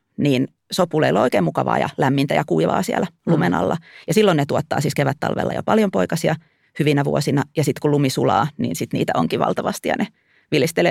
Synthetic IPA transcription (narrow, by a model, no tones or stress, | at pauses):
niːn | sopːˑuleilːo̰ikeːmukɑʋɑ̰ːjɑ̰læmːint̪æjɑkuiʋɑ̰ːsiælælumenɑ̰lːɑjɑsilːonnet̪uot̪ːɑ̰ːsiːskeʋæt̪ːɑ̰lʋḛlːɑ̰jo̰pɑljompoikɑsiɑ | hyʋinæʋuosinɑjɑsit̪kulumisulɑːnḭːnsit̪nḭːt̪æʔoŋkiʋɑ̰lt̪ɑʋɑst̪ijɑ̰ne | ʋilist̪eleː